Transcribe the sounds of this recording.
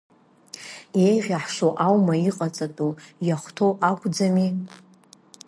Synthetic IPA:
ejʁʲaħʂoʔawmaiqʼat͡sʼatʼujaχʷtʰoʔakʷʰʼd͡zami

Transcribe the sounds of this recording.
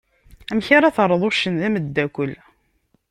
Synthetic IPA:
æmçaɾaθəɾˤːəðˤoʃːənðæməd̪ːækʷːəl

